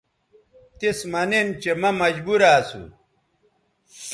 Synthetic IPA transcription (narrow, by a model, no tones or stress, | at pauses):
t̪ismɐnent͡ɕemɐmɐd͡ʑbuɾaːsṵ